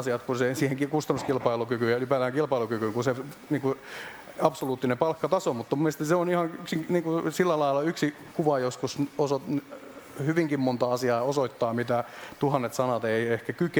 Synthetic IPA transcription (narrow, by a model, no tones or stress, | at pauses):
siɑt̪kunsesiːheŋkikust̪ɑnːuskilpɑilukykyjɑlypæt̪æːŋkilpɑilukykyŋkuseniːŋku | ɑpsoluːt̪ːinepɑlkːɑt̪ɑsomut̪ːɑmumːest̪iseonihɑŋyksiŋniːŋkusilːælɑilːˑɑyksi | kuʋɑjoskusosot̪n | hyʋiŋkimmont̪ɑɑsiɑːosoit̪ːɑːmit̪æt̪uhɑnːet̪sɑnɑt̪eiehkækyk